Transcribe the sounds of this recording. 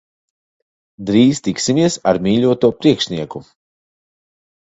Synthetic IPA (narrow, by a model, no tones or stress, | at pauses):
d̪ɾiːst̪iksimʲiɛsa̰ɾmʲiːʎʲuɔt̪uɔpɾiɛkʃniɛku